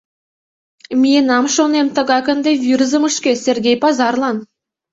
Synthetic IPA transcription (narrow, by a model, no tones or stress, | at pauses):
mʲijenɑmʃonemt̪ə̆ɣɑkə̆nd̪evʲirzə̆məʃkʲesʲerɡʲejpɑzɑrlˠɑn